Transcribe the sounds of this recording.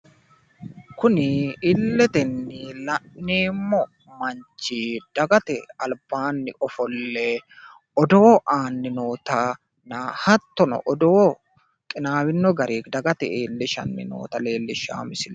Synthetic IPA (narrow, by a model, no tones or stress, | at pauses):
kʊnɪɪlːɛt̪ɛnːɪlɐʔnːeːmːɔ | mɐnt͡ʃːid̪̥ɐɡɐt̪ɛɐlb̥aːnːɪɔfɔlːɛ | ɔd̪oːʔaːnːɪnoːt̪ɐ | nɐhɐt̪ːɔnɔ̰ʔɔd̪oː | kʼɪnaːwɪnːɔɡɐɾiːkd̪ɐɡɐt̪ɛeːlːɪʃɐ̰nːɪ̰no̰ːt̪ɐle̞ːlːɪʃa̰ːmɪsɪl